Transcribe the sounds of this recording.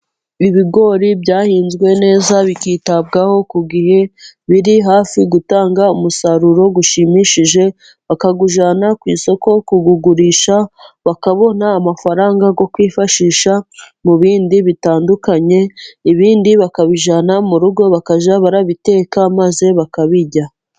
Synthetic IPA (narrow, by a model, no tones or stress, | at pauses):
iβiɡo̞ːɾibɟaːhiːnzɡwe̞ne̞ːzaβikiːtab̚ɡaho̞kuɡihe̞βiɾiɦaːfiɡutaːŋɡaumusaɾuɾo̞ɡuʃimiʃiʒe̞ | βakaɡuʒanakwḭːso̞ko̞kuɡuɡuɾiːʃaβakaβo̞naːmafaɾaːŋɡaɡo̞kwiːfaʃiːʃa | muβiːndiβitaːndukaɲe̞iβiːndiβakaβiʒanamuɾuɾɡo̞βakaʒaβaɾaβite̞ːkamaze̞βakaβiɟa